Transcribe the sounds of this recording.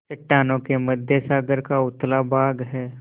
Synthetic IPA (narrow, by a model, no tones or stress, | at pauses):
sɐʈːaːnõkemɐd̪ʱjəsaːɡəɾkaʊt̪labʱaːɡɦɛː